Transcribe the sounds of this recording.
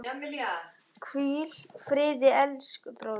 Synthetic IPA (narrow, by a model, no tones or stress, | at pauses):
ɛmɪa | kʰviːl̥fɾɪːðɪɛlskpɾoː